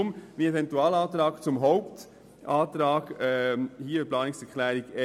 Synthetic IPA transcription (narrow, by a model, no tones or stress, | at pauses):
ʊmʋiɛvɛntuaːlaːt̪ɾaːkt͡sʊmɦɔʊpt | ʔaːt̪ɾaːɡɛhiːəəplɑːnɪksɛʁkʰlæːɾiɡɛ